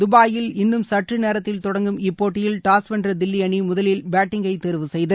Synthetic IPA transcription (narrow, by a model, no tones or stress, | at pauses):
d̪ʊbaːjɪlɪnːɯmsɐʈrɯneːɾɐt̪ːɪlt̪ɔɽɐŋɡɯmɪpːoːʈːɪjɪlʈaːsʋɛndrɐd̪ɪlːɪɐɳimʊðɐlɪlbaːʈːɪŋɡɐɪt̪ːɛɾʋɯsɛjðɯ